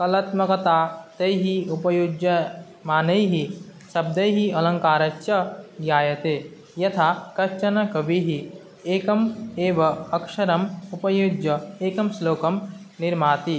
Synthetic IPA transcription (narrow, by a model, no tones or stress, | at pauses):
kɐlɐt̪mɐkɐt̪aːt̪ɐjɦiupɐjud͡ʒjɐ | maːnɐiɦisɐb̚d̪ɐjɦiɐlɐ̃ŋkaːɾɐt͡ʃt͡ʃɐɡjaːjɐt̪eː | jɐt̪ʰakɐt͡ʃɐnɐkɐbʱiɦi | eːkɐmeːʋɐɐkʃɐɾɐmupɐjud͡ʒjɐeːkɐmsloːkɐm | nɪɾmaːt̪i